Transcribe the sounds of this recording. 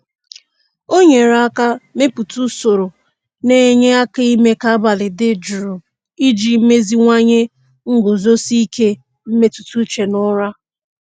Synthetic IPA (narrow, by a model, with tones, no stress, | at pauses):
o˦ɲe˨ɾa˦ka˦me˦pu˨tu˦so˨ɾo˨ | ne˨˦ɲe˦a˦ka˦i˦me˦ka˦a˦ba˨lɪ˨dɪ˦d͡ʒu˨ɾu˨ | i˦d͡ʒi˨˦me˦zi˦ŋʷa˦ɲe˦ | ŋ̩˦ɡo˨zo˦si˦ke˦ | m̩˦me˦tu̥˨tu˦t͡ʃe˨nʊ˦ɾa˦